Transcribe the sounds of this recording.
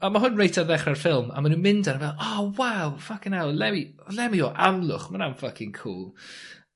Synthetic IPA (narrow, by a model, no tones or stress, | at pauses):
amaɦʊnrejtʰaðɛχrarfɪlˠma̰manumɪndanvɛlˠɔːwawfakɪnɛlˠlɛmi | lɛmiɔʔamlˠʊχmananfakʰɪŋkʰṵːlˠ